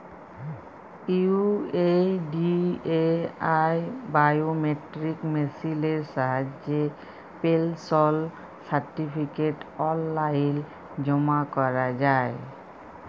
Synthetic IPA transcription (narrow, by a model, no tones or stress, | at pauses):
iueɖieajbajomeʈɹikmesileɹsaɦad͡ʒe | pelsɔl | saɹʈipʰikeʈɔlːajil | d͡ʑɔmakɔɹazaj